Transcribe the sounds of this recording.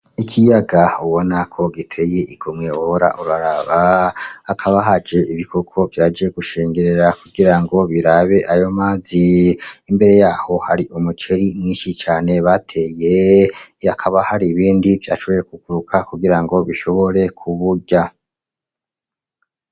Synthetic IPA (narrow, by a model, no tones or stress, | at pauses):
ikʰijaɡauβo̞nakʰo̞ɡitʰe̞je̞ʔiɡomŋe̞woɾa̰ʔuɾaɾaβaː | kʰaβaɦad͡ʒe̞ʔiβikʰo̞kʰo̞vjaːd͡ʒe̞ɡuʃeːŋɡeɾe̞ɾakuɡiɾaŋɡo̞βiɾaβe̞ʔajo̞maːziːmbe̞ɾe̞jaːho̞haɾiʔumut͡ʃe̞ɾimŋiːnʃit͡ʃaːne̞βatʰe̞je̞ | akʰaβahaɾiːβiːndivja̰ːʃo̞βo̞jekuɡuɾukʰakuɡiɾaŋɡo̞βiʃo̞βo̞ɾe̞kʰuβuɟa